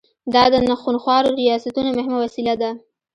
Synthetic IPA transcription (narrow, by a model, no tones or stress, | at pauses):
d̪ɑd̪ənaxunxwɑɾoɾijɑsat̪unomʊhɪmawasilad̪a